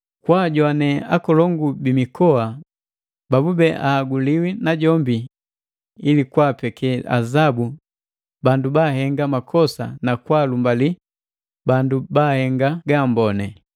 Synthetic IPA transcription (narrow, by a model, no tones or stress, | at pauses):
kwaːɟwanɛa̰kɔlɔŋɡubimikɔa | babubɛʔaːɡuliwinaɟɔmbi | ilikwaːpɛkʰɛa̰zabu | bandubaɦɛŋɡamakʰɔsa̰nakwaːlumbali | bandubahɛŋɡaɡaːmbɔnɛ